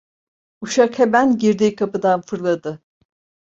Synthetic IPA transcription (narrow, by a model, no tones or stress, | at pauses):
uʃakhemænɟiɾd̪ikʰapɯd̪anfɯɾlˠad̪ɯ